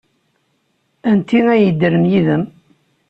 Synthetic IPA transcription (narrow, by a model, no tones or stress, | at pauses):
ænt̪inæjəd̪ːəɾəmjiðəm